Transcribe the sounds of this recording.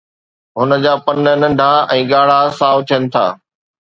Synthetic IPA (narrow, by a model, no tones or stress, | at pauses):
ɦʊnə̆d͡ʑaːpɐnənɐ̃ɳɖʱaɛ̃ːɠaːɽ̤asaːʋʊt̪ʰiənɪ̆t̪ʰa̰ː